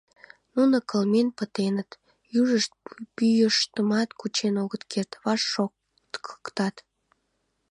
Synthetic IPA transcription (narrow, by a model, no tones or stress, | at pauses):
nunəkəlmenpət̪enət̪ | juʒəʃt̪̚pyjəʃt̪əmɑt̪kut͡ɕenoɣət̪kʰert̪βɑʃːo | ə̥kt̪ɑt̪